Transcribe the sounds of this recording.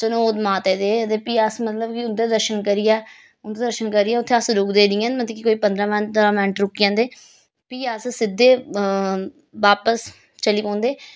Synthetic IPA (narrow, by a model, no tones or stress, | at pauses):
sənõːt̪maːt̪eːd̪eːət̪eːpiːasmət̪ləbkiʊd̪eːd̪əɾʃənkəɾijɛː | ʊd̪eːd̪əɾʃənkəɾiːɛːʊt̪ʰːeasɾʊkd̪eːd̪ɪjãːnmət̪ləkikoːiːpə̃nd̪ɾãːmɛɾãːmɛ̃ːɳʈɾʊkijãːnd̪eː | piːassɪd̪ːeː | ʋaːpəs | t͡ʃəliːkõːnd̪eː